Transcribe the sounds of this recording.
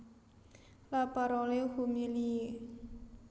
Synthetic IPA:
lapaɾɔlehumili

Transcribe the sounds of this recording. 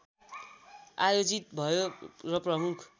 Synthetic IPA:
ajod͡zit̪̚bʱʌjorʌprʌmukʰ

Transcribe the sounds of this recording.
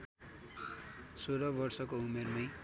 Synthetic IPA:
soɾʌbʌrsʌkoumermʌj

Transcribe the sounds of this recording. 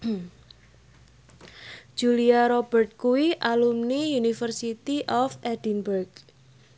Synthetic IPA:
d̥d͡ʒ̥uliaɾɔb̥ərt̪̚kuwiʔalumnijunifərsit̪iʔɔfʔɛdinburɡ

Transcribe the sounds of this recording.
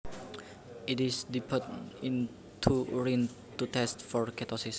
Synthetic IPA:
it̪isdipʰət̪ĩn | t̪ʰuɹin | t̪ut̪ɛst̪̚fɔrkɛt̪ɔsis

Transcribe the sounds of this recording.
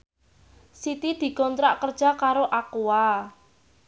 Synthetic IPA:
sit̪id̪̥i̤kɔnt̪ɾaʔkərd̥ʒ̥a̤kaɾoʔakua

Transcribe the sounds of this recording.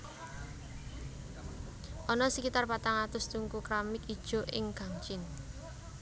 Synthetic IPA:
ʔɔnɔsəkit̪arpat̪aŋat̪ʊst̪uŋkukɾamɪkid̥ʒ̥o̤ʔɪŋɡ̥a̤ŋt͡ʃɪn

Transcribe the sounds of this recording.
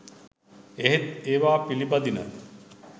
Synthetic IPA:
eɦet̪eːʋaːpilipad̪inə̰

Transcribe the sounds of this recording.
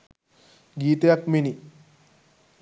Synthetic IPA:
ɡiːt̪əjakmini

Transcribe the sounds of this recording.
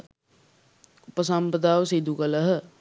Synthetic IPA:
upəs̬ɐmpɐd̪aːʋəsid̪ʱukɐləɦə

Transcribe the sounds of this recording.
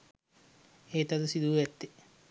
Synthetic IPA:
eːt̪at̪usid̪uʋɛt̪ːi

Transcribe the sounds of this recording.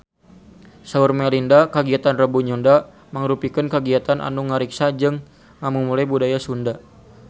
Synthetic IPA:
saurmɛlindakaɡiat̪anrəbuɲunda | məŋɾupikənkəɡiat̪anʔa̰nuŋːaɾiksad͡ʒɨŋː | amumulajbudajasunda

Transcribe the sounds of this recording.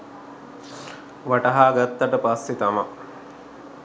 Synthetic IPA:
ʋaʈɐɦaːɡat̪ːɐʈəpasːit̪ɐma

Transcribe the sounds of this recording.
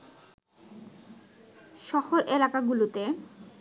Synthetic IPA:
ʃɔhoɾʔelakaɡulut̪e

